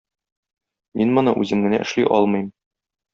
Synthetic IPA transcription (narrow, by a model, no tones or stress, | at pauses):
minmɤ̆nɤʔʉzɘmɡɘ̆næ̰ʔɘ̆ʃliʔɒlˠmɤ̆jm